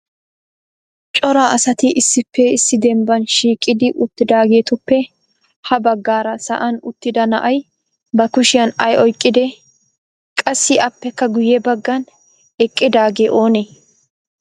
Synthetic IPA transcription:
t͡ʃʼɔɾaːʔɐsɐt̪ɪʔɪsːɪpːɛɪsːɪd̪ɛmbɐnʃiːkʼɪd̪ɪʔʊt̪ːɪd̪aːɡe̞ːt̪ʊpːɛ | hɐbɐɡːaːɾɐsɐ̰ʔɐnʊt̪ːɪd̪ɐnɐ̰ʔɐj | bɐkʊʃɪjɐnɐjɔjkʼːɪd̪ɛ | kʼɐsːɪʔɐpːɛkːɐɡʊjɛbɐɡːɐn | ɛkʼːɪd̪aːɡeːʔo̞ːne

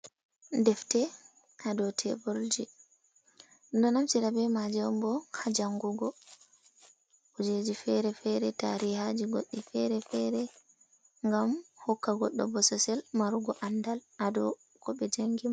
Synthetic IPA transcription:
ndɛftɛ | ʔadɔtʰɛ̰bold͡ʒi | ndɔnamt͡ʃiɾabɛmad͡ʒɛwmbɔhad͡ʒaŋɡuɡɔ | ud͡ʒed͡ʒifɛɾɛfɛɾɛtaɾiɦad͡ʒiɡoɗːifɛɾɛfɛɾɛ | ŋɡamhɔkːaɡɔɗːɔ̰bɔsɔsɛlmaɾuɡɔʔandalʔadɔ | kɔɓɛd͡ʒaŋɡima

